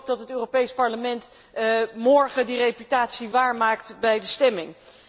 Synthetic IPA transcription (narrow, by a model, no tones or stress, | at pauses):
p̚dɑtɦətøːropejspɑɹləmɛnt | mɔɹχədirejpytaːtsiʋaːɹmaːktbɛjdəstɛmɪŋ